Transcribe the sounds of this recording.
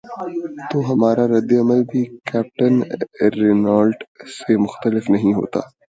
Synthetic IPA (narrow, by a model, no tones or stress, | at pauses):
t̪oːɦɐmaːɾaɾɐd̪ːeɐməlbʱikɛːp̚ʈənɾɪnaːlɖsemʊxt̪əlɪfnɐɦĩɦo̰ːt̪a̰ː